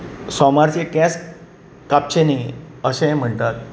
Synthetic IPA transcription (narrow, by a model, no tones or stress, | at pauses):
sɔmaɾt͡ɕekɛs | kap̚t͡ɕeni | əɕẽɛ̃m̤əɳt̪at̪̚